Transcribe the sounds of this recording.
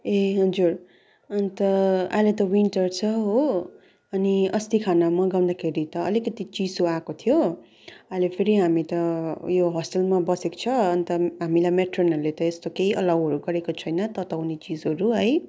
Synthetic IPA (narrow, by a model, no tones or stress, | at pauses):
eɦʌd͡zur | ʌnit̪ʌa̰jlet̪ʌwiɳʈʌrt͡sʰʌɦo | ʌniʌst̪ikʰanamʌɡaw̪̃d̪akʰeɾit̪ʌʌ̰likʌt̪it͡sid͡zoakot̪ʰijo | ajlepʰeɾiɦamit̪ʌjoɦʌsʈʌlmabʌseko̥t͡sʰʌːnit̪ʌɦamilajmeʈrʌnʌrlet̪ʌest̪okeiʔʌlʌwɦʌɾuɡʌɾekot͡sʰʌjnʌt̪ʌt̪awnet͡sid͡zɦʌɾuɦʌj